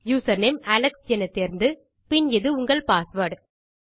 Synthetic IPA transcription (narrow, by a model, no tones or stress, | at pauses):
juːsɐɾneːmɐlɐksɛnːɐt̪ːeːɾnd̪ɯ | pɪnɪðɯʊŋɡɐɭpaːsʋɐɽ